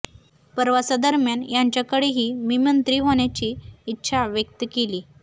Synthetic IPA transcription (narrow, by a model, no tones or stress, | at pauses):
pəɾʋasad̪əɾmjanjaɲt͡ɕjakəɽeɦiːmimənt̪ɾiːɦoɳ̃jat͡ɕiːt̪ːɕʰaʋjək̚t̪əkeliː